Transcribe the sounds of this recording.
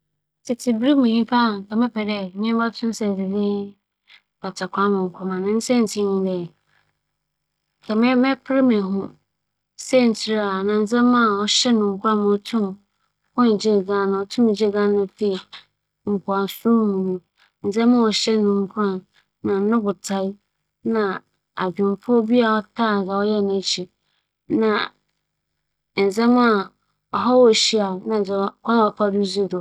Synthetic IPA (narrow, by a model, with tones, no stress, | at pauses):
tʰɪ˨tʰɪ˨bɾi˦mũ˨ɲĩ˦pʰa˦˨kʰɛ˨mɛ̃˦pʰɛ˨dɛ˦˨mɪ̃˦ba˦tʰʊ̃˦m˦sɛ˨dɪ˨dɪ˦ | ba˨tʰa˨kʷʰã˦mɪ̃˨ŋ̩˨kʷʰa˨mã˨nɪ̃˨˦n̩˦sɛ˦n̩˨tʰĩ˦nʊ̃˦dɛ˨ | kʰɛ˨mɛ̃˦mɛ̃˦pʰɪ˦ɾɪ˦mɪ̃˨ɦʊ̃˦˨ | sɛ˦˨n̩˨tʰi˦ɾa˨nã˨n̩˦d͡zɛ̃˦mã˦˨ɔ˨ɕɛ˦nʊ̃˨˦kʰʷa˦˨m̃˨ɔ˨tʰũ˦m | hɔ̃˦n̩˨d͡ʑi˦˨ɡã˦nʊ̃˨ɔ˨tʰũ˦m˨d͡ʑe˦ɡã˦nʊ̃˨fi˦˨ | ŋ̩˨kʰʊ˨a˨sũ˦mũ˨nũ˦ | n̩˨d͡zɛ̃˦mã˦ɔ˨ɕɛ˦nʊ̃˨m˦kʰu˦ã˦˨n | nã˨˦nʊ̃˦bʊ˨tʰa˦i˦ | nã˨ | a˨d͡ʑᶣĩ˨m˨pʰɔ˦bi˦a˦˨ɔ˦tʰa˦˨za˨ɔ˦jɛ˦˨nã˨t͡ɕʰi˨ | nã˨ | n̩˨d͡zɛ˦ma˦˨ | ɔ˨ɦɔ˦wɔ˦˨ɕi˦a˨nã˨d͡zɛ˨˦kʰʷɔ̃˦n˦ɔ˨pʰa˦du˦zu˦˨dɔ˨